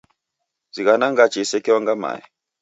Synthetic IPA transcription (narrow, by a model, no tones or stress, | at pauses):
ziɣanaŋɡat͡ʃisɛkɛwaŋɡama̰jḭ